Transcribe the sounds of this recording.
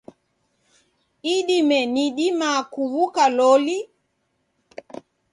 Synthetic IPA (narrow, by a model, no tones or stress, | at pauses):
iɗimɛniɗimakuβukalɔli